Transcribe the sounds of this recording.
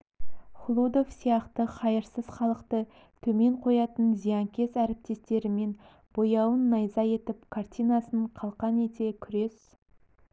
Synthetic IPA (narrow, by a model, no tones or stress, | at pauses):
χʊlˠud̪o̞fsijɑqt̪əqʰɑjəɾsəz̥χɑlˠəqt̪ə | t̪ʰɵme̞ɴqʰo̞jɑt̪ənzijɑŋkʲʰe̞sæɾɪp̚t̪e̞st̪e̞ɾɪme̞n | b̥o̞jɑwənːɑjzɑje̞t̪ɪpkʰart̪ʲijnɑsəɴqʰɑlˠqɑne̞t̪e̞kʲʰʏɾe̞s